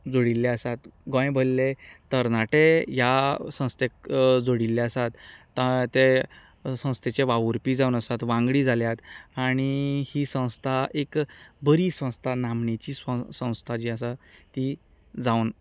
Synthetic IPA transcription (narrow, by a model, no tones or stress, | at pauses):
d͡zoɽilːeəsat̪ɡõj̃bʱəlːet̪əɾnaʈejasə̃w̃st̪ʰekd͡zoɽilːeəsat̪ː | at̪e | sə̃w̃st̪ʰet͡ɕeʋaʋuɾpiːd͡zaunəsat̪ʋãŋɡɽiːd͡zʱaljat̪aɽ̃ihisə̃w̃st̪ʰaʔekbəɾiːsʋə̃w̃st̪ʰanamnet͡ɕiːsəsə̃w̃st̪ʰad͡ʑiːəsat̪i | d͡zawn